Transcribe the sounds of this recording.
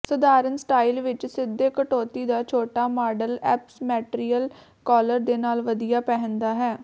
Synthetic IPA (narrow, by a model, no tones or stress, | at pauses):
səd̪aːɾənsʈaːilʋɪt͡ʃsɪd̪ːeːkəʈoːt̪iːd̪aːt͡ʃʰoːʈaːmaːɖəlɛ̰ːpsmɛːʈɾiːəl | kɔːləɾd̪eːnaːlʋəd̪ijaːpɛɦə̃nd̪aːɦɛː